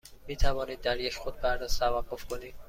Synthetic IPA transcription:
miːt̪ʰævɒːniːd̪̚ːæɾjeʃxod̪̚bæɾd̪æst̪ʰævæɢːofkʰoniːd̪̥̚

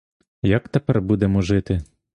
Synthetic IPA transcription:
jɐkt̪epɛrbud̪emɔʒɪt̪ɪ

